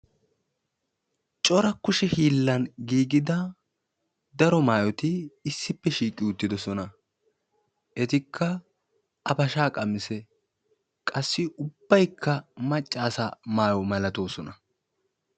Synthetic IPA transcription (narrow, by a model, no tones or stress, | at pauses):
t͡ʃʼɔɾɐkːʊʃɛhiːlːɐnɡiːɡɪd̪ɐ | d̪ɐɾɔmaːjɔt̪ɪːsːɪpːɛʃiːkʼːɪʊt̪ːɪd̪ɔsɔnɐ | ʔɛt̪ɪkʰːɐ | ɐpɐʃaːkʼɐmɪsɛ | kʼɐsːɪʔʊb̥ːɐjkʰːɐmɐt͡ʃʼːaːsɐmaːjɔmɐlɐt̪o̞ːsɔnɐ